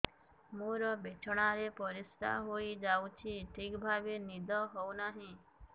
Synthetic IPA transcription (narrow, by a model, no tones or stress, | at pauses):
mũɾɔbet͡ʃʰɔɽ̃aɾepɔɾist̪ʰa̰ɦoid͡ʒawt͡ʃʰiʈʰikbʱabenid̪ʱɔɦɔwnaɦĩ